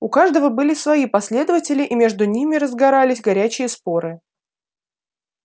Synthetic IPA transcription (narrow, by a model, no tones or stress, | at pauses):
ʊkaʐd̪əvəbɨlʲɪsvɐjipɐsʲlʲe̞d̪əvətʲɪlʲɪʔimʲe̞ʐd̪ʊnʲimʲɪɾəzɡɐɾalʲɪsʲɡɐɾʲæt͡ɕɪjəspo̞ɾɨ